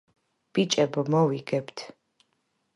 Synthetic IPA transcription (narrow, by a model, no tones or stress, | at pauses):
b̥it͡ʃʼɐbɐmɔwiɡɛbtʰ